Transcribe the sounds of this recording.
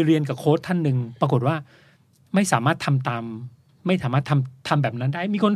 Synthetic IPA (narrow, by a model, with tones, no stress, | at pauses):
ɾi˧ənka˨˩kʰoː˦˥˩t̪ʰːa˥˩nːɯ˧ŋpɾa˧ko˨˩t̪̚waː˥˩ | ma˥˩jsaː˩˦maː˥˩t̪ʰa˧mt̪aː˧mː | a˥˩jsaː˩˦maː˥˩t̪ʰa˧mt̪ʰa˧mbɛː˨˩p̚na˦˥ndaː˥˩jmiː˧kʰo˧n